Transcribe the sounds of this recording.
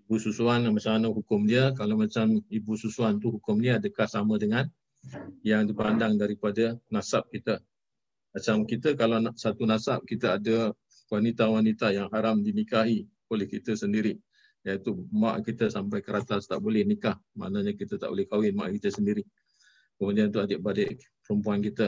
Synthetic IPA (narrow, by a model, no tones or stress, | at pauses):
ibususuanmat͡ʃamanəɦukʊmdiəkalawmat͡ʃamibususuant̪uɦukʊmdiəadəkahsamədəŋan | jaŋdipandaŋdaɾipadənasap̚kit̪ə | mat͡ʃamkit̪əkalawnsat̪unasap̚kit̪əadə | wanit̪awanit̪ajaŋɦaɾamdinikaɦi | olɛhkit̪əsəndiɾiʔ | jait̪uma̰ʔkit̪əsampajkəɾat̪ast̪a̰ʔbolɛhnikahma̰ʔnaɲakit̪ət̪aʔo̰lɛhkawɪnma̰ʔkit̪əsəndiɾɪʔ | kəmudiant̪uadəʔ̚badɛʔ | pəɾəmpuankit̪ə